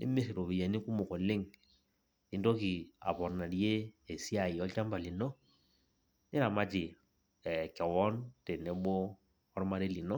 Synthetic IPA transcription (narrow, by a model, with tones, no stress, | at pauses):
nɪ̰˦me˦sɪ˨ɾo˨bi˨ja˨ni˦ku˦mʊ˨kɔ˨lɪ˦ŋ | ni˨˦dɔ˦ki˨a̰˨pɔ˨ɾna˨dje˦e˨si˦a˨ji˨ɔ˦lt͡ʃa˦mba˨li˨nɔ˦ | nɪ˦ɾa˨ma˦t͡ʃɪ˨ | ɛ˨kɛ˨wɔ˦nte˨nɛ˨˦bɔː˦ | ɾma˦ɾe˦li˨nɔ˦